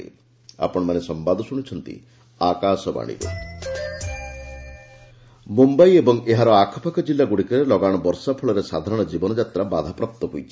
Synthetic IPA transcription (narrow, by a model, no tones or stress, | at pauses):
ḛ | a̰pɔɽ̃ɔmanesɔmbad̪ʱɔsuɽ̃it͡ʃʰɔnt̪ḭ | akasɔba̰ɽ̃ḭbṵ | mumbajebɔŋeɦaɾɔakʰɔ̥pʰakʰɔd͡ʒilːaɡuɽikɔɾelɔɡaɽ̃ɔbɔɾsapʰɔɭɔɾesad̪ʱaɾɔɽ̃ɔd͡ʒibɔnɔd͡ʒat̪ɾabad̪ʱapɾap̚t̪ːɔɦujt͡ʃʰi̥